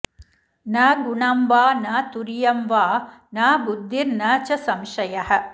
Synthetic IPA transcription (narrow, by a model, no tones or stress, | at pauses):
naːɡuɳɐmʋaːnaːt̪uɾijɐmʋaː | naːbud̪ʱːiɾnɐːt͡ʃɐsɐmʃɐjɐhɐ̆